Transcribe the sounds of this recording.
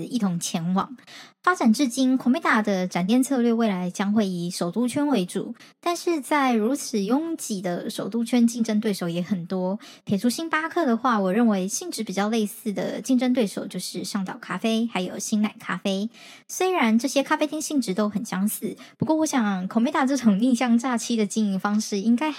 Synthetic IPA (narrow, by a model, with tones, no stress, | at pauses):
i˥˩t̪ʰʊ˧˥ŋt͡ɕʰjɛ˧˥nwɑ̰˨˩˦ŋfa˥ʈ͡ʂa˨˩nʈ͡ʂɻ̩˥˩t͡ɕi˥nkʰʊ˨˥ŋme˥t̪a˥˩d̪ə˩ʈ͡ʂa˨˩nt̪jɛ˥˧nt͡sʰɤ˥˧lɥɛ˥˧we˥˩ɪla˧˥ɪt͡ɕjɑ˥ŋxwe˥˩ɪi˨˩ʂo˨˩ʊt̪u˥t͡ɕʰɥɛ˥nwe˧˥ɪʈ͡ʂṵ˨˩˦ | t̪a˥˧nʂɻ̩˥˧t͡sa˥˩ɪɻu˧˥t͡s̩ʰ˨˩jʊ˥ŋt͡ɕi˨˩d̪ə˦ʂo˨˩ʊt̪u˥t͡ɕʰɥɛ˥nt͡ɕi˥˩ŋʈ͡ʂə˥ŋt̪we˥˩ɪʂo˧˩ʊjɛ˧˥xə˨˩nt̪wɔ˥pʰe˨˩ɪʈ͡ʂʰu˥ɕi˥npa˥kʰɤ˥˩d̪ə˩xwa˥˩wɔ˨˩ɻə˥˩nwe˧˥ɪɕi˥˩ŋʈ͡ʂɻ̩˧˥pi˨˩t͡ɕjɑ˥˧ʊle˥˧ɪsɹ̩˥˩d̪ə̰˩t͡ɕi˥˩ŋʈ͡ʂə˥ŋt̪we˥˩ɪʂo˨˩ʊt͡ɕjo˥˧ʊʂɻ̩˥˧ʂɑ˥˩ŋt̪ɑ˨˩ʊkʰa˥fe˥ɪxa˧˥ɪjo˨˩ʊɕi˥nna˨˩ɪkʰa˥fe˥ɪ | swe˥ɪɻa˧˦nʈ͡ʂɤ˥˩ɕjɛ˥kʰa˥fe˥ɪt̪ʰi˥˧ŋɕi˥˩ŋʈ͡ʂɻ̩˧˥t̪o˥ʊxə˨˩nɕjɑ˥ŋsɹ̩˥˩pu˧˥kwɔ˥˩wɔ˧˥ɕjɑ˨˩ŋkʰo˨˩me˧˥t̪a˥˩ʈ͡ʂɤ˥˩ʈ͡ʂʊ˨˩ŋli˥˧ɕjɑ˥˧ŋʈ͡ʂa˥˧˩t͡ɕʰi˥d̪ə˨t͡ɕi˥˧ŋi˥˩fɑ˥ŋʂɻ̩˥˩i˥ŋka˥ɪ